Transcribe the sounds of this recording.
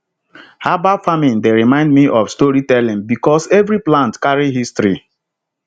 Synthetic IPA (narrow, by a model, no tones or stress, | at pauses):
habafamĩndeɾimãɪ̃ndmiʔɔfstoɹitɛlĩmbikɔsevɾiplãntkaɹiɦistɾi